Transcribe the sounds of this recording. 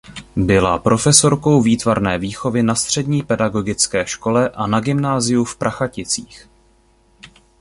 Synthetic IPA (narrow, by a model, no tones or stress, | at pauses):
bɪla̰pɾo̞fɛso̞ɾkowviːt̪vaɾnɛːviːxo̞vɪnast̪r̝̥ɛdɲiːpɛdaɡo̞ɡɪt͡skɛːʃko̞lɛʔanaɡɪmnaːzɪjufpɾʔaxacɪt͡siːx